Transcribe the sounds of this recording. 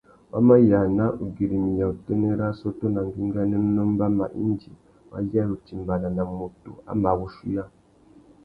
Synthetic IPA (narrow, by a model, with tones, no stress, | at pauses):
wʔa˦ma˦ja˨na˦ʔu˨ɡi˨ɾi˨mi˨ja˨u˨te˦ne˦ɾa˦so˦to˦na˨ŋ˨ɡi˦ŋɡa˦ne˦m˦no˦m˦ba˦ma̰˨ʔḭ˦nd͡ʒi˨ | wa̰˦ja˦u˨ti˨mba˨na˨na˨mu˨tṵ˨a̰˨˦ma˨ɣu˦ʃu˦ja˦